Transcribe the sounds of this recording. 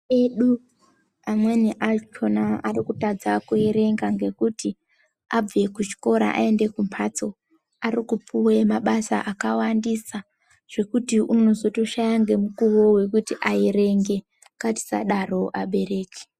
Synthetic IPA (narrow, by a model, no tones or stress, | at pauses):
eɗu | amweniʔat͡ʃʰonaarikutad͡zakueɾe̞ŋɡaŋɡe̞kuti | ab͡ve̞kut͡ʃi̥ko̞ɾa̰ʔa̰e̞nde̞kumpʰat͡so̞ | arikupuwemaɓasa̰ʔakawandisa | ʐ̥e̞kutiuno̞zo̞to̞ʃajaŋɡe̞mukuwo̞we̞kutiʔaiɾe̞ŋɡe̞ | kati̥sa̰ɗaro̞ʔaɓe̞ɾe̞ːke̥